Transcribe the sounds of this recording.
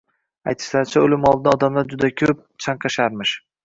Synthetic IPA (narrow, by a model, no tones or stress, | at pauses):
ajt̪ʰɪ̥ʃlaɾt͡ʃʰaolɪmɒlˠd̪ɪd̪aɒd̪amlaɾd͡ʒʊd̪akʲʰɵp̚t͡ʃʰaŋqʰɑʃaɾmɪʃ